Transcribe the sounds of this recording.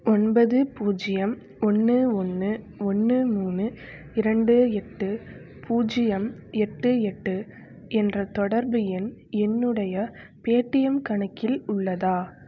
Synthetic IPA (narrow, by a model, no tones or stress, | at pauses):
ɔnbɐðɯpuːd͡ʒɪjɐm | ɔnːɯɔnːɯ | ɔnːɯmuːnɯ | ɪɾɐɳɖɯɛʈːɯ | puːd͡ʒɪjɐmɛʈːɯɛʈːɯ | ɛndrɐt̪ɔɽɐɾbɯjɪnɛnːɯɽɐjɐ | peːʈːɪjɐmkɐɳɐkːɪlʊɭːɐðaː